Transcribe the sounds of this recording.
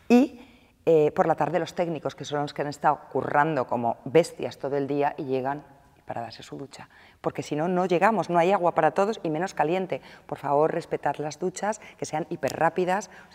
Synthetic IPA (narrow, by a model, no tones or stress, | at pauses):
i | epo̞ɾlat̪aɾðe̞lo̞st̪e̞ɡniko̞ske̞so̞noskeane̞st̪aokurand̪o̞ko̞mo̞be̞st̪jast̪o̞ðoe̞ld̪iaʔiʝe̞ɣ̞an | ipaɾa̰ðaɾse̞suðut͡ʃa | po̞ɾke̞sino̞no̞ʝe̞ɣ̞amo̞zno̞ajaɣ̞wapaɾat̪o̞ð̞o̞simẽ̞no̞skalje̞nt̪e̞po̞ɾfaβ̞o̞ɾre̞spe̞t̪aðlazðut͡ʃaske̞se̞anipe̞ɾrapiðas